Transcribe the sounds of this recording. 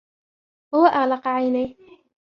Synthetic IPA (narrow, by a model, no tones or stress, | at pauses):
hʊwaʔalɑqʕajnaj